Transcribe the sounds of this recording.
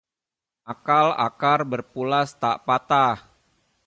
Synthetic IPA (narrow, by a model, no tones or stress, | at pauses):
ʔakala̰karbərpulast̪a̰ʔpat̪ah